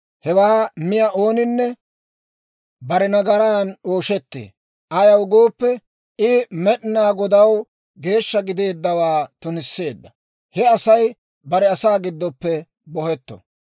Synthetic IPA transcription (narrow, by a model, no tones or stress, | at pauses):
hɛwaːmɪjɐʔo̞ːnɪnːɛ | bɐɾɛnɐɡɐɾaːnoːʃɛt̪ːḛː | ʔɐjɐwɡoːpːɛ | ɪmɛɗɪnaːɡɔd̪ɐw | ɡe̞ːʃːɐɡɪd̪e̞ːd̪ːɐwaːt̪ʊnɪsːe̞ːd̪ːɐ | hɛɐsɐj | bɐɾɛɐsaːɡɪd̪ːɔpːɛ | bɔhɛt̪ːɔ̥̰